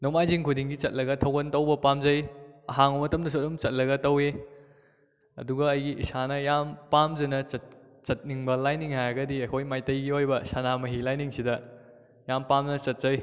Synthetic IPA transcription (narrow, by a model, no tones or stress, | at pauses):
nɔmajziŋkʰudiŋɡit͡ʃɐt̚lɐɡɐtʰɐwɡɐntɐwbɐpamzɐjɐɦaŋumɐtɐmdɐs̬ot̚ɾumt͡ʃɐt̚lɐɡɐtɐwe | ɐ̰duɡɐːjɡiʔisanɐjampamzɐnɐt͡ʃɐt̚ | t͡ʃɐt̚niŋbɐlajniŋhajaɡɐdiɐkʰojmajtɐjɡiojbɐsanamɐɦilajniŋsidɐ | jampamnɐt͡ʃɐt̚zɐj